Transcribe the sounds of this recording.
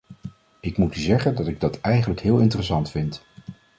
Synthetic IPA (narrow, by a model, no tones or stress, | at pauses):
ɪkmutyzɛχəndɑtɪɡ̚dɑtɛjχənləkɦɪːlˠɪntərəsɑntfɪnt